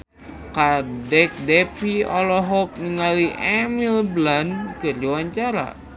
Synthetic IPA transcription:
kadɛk̚dɛpiɔlɔɦɔk̚niŋaliʔɛmilblankɨrd͡ʒiwaɲt͡ʃaɾa̰

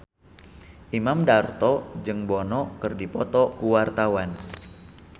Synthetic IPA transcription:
ʔimamdart̪ɔd͡ʒɨŋbɔnɔkɨrdipɔt̪ɔkuwart̪awan

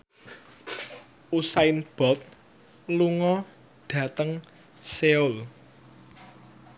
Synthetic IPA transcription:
usaɪnb̥ɔ̤t̪̚ | luŋɔ | ɖ̥ä̤t̪əŋ | seʊl

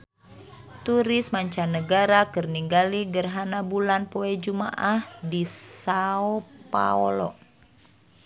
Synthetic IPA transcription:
t̪uɾismaɲt͡ʃanəɡaɾakərniŋɡaliɡərɦanabulanpoɛd͡ʒumaʔahdisaopa̰ɔ̰lɔ̰ʔ

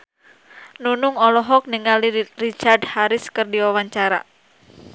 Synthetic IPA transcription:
nunuŋɔlɔɦɔk̚niŋalirit͡ʃardhaɾɪskɨrdiwawaɲt͡ʃaɾa̰

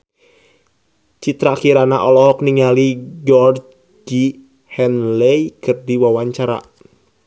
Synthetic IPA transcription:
t͡ʃit̪ɾakiɾanaʔɔlɔɦɔkniŋaliɡɔr | d͡ʒi | hɛnlɛjkərdiwawaɲt͡ʃaɾa̰

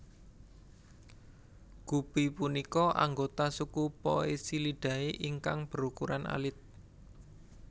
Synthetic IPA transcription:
ɡ̥ub̥ipunikɔʔa̰ŋɡot̪asukupɔ̰esiliɖ̥ä̤eʔiŋkaŋb̥ə̤ɾukuɾanʔa̰lɪt̪̚

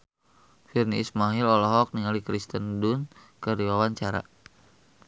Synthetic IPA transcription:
firniismaɦilɔlɔɦɔk̚niŋalikɾist̪əndun | kərdiwawaɲt͡ʃaɾa̰

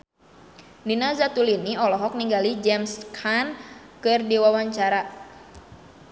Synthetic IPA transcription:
ninazat̪uliniɔlɔɦɔk̚niŋɡalid͡ʒɛmskʰankɨrdiwawaɲt͡ʃaɾa

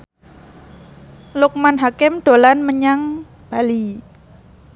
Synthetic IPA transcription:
lʊk̚manɦakɪmɖ̥o̤lanməɲaŋ | b̥a̤li

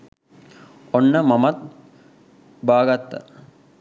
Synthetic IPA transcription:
onːɐmɐmɐt̪̚ | baːɡɐt̪ːə̰

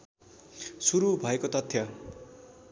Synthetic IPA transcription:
suɾubʱʌekot̪ʌt̪ʰːja

